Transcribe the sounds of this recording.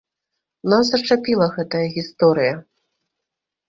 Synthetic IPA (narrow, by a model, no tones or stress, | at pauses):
nasɐt͡ʂapʲilˠɐɣɛt̪ɐjɐɣʲist̪ɔɾɨjɐ